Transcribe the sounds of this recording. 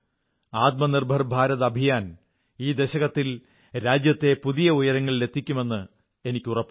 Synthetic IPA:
aːt̪̚mɐnirbʱɐrbʱaːɾɐðɐbʱijaːn | iːd̪eɕɐɣɐt̪ːil | ɾaːd͡ʑjɐt̪ːe̞puðijɐujɐɾɐŋːɐɭle̞t̪ʰːikʲːume̞nːɨ | e̞nikʲːurɐpː

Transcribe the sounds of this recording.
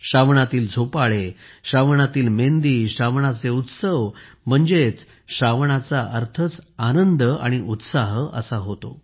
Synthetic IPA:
ɕaʋɳat̪iːld͡zʱopaɭeɕaʋɳat̪iːlmend̪iːɕaʋɳat͡seut̪səʋ | m̤əɳd͡zet͡s | ɕaʋɳat͡saʔəɾt̪ʰət͡sanənd̪əa̰ɽ̃iʔut̪saɦə̰saɦot̪o̰

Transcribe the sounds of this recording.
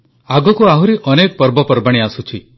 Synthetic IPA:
aɡɔkuaɦuɾiʔɔnek̚pɔɾbɔpɔɾbaɽ̃iasut͡ʃʰi

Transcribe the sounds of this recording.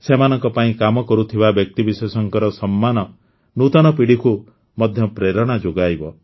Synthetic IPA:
semanɔŋkɔpaĩkamɔkɔɾut̪ʰibabjɔk̚t̪ibisesɔŋkɔɾɔsɔmːanɔ | nut̪ɔnɔpiɽiku | mɔd̪ʱjɔpɾeɾɔɽ̃ad͡ʒoɡajbɔ

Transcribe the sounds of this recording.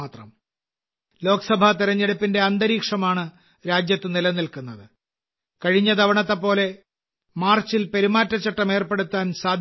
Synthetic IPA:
t̪rɐ̰m | lo̞ːkɐsɐbʱat̪iɾɐɲːeɽupːinde̞ɐnd̪ɐɾiːkʂɐmaːɳɨ | ɾaːd͡ʑjɐt̪ːɨnilɐnilkunːɐðɨ | kɐɻiɲːɐd̪ʱɐʋɐɳɐt̪ːɐpːo̞ːle̞ | maːrt͡ɕilpeɾimaːtːɐt͡ɕːɐʈːɐme̞ːrpe̞ɽut̪ːaːnsaːd̪ʱ

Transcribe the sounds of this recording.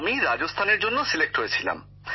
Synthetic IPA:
miɾad͡ʑost̪ʰaneɾd͡ʑonːosilek̚ʈɦojet͡ɕʰila̰m

